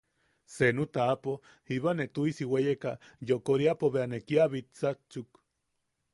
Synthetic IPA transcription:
senut̪aːpo | hiβanet̪uisiwejekajokoɾiapoβeanekiaβit̪t͡sat͡ʃuk

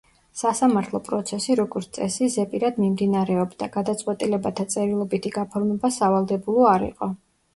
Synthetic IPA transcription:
sasamaɾt̪ʰlˠɔpʼɾɔt̪sʰɛsiɾɔɡɔɾt̪t̪sʼɛsizɛpʼiɾad̪mimd̪inaɾɛɔbd̪aɡ̥ad̪at̪sʼqʼwɛt̪ʼilɛbat̪ʰat̪sʼɛɾilˠɔbit̪ʰiɡapʰɔɾmɛbasavalˠd̪ɛbulˠɔaɾḭqʼɔ

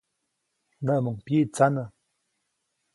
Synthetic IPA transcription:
nəmuŋpjit͡sanə

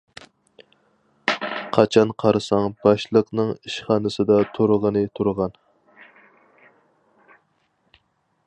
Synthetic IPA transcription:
qʰɑt͡ʃʰɑnqʰɑɾɨsɑŋb̥ɑʃlˠəqnɨŋiʃχɑːnɨsɨd̪ɑt̪ʰoɾʁənɨt̪ʰuɾʁɑn

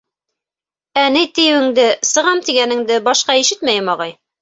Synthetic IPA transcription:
ænit̪ij̆wɘ̆ŋd̪ɘsɤ̆ʁɑmt̪iɡænɘ̆ŋd̪ɘbɑʃqɑiʃɘt̪mæjɘmɑʁɑj

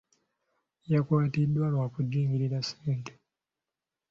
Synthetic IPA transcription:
jakwaːtidːwalwaːkuɟiːŋɡiɾiɾaseːnte

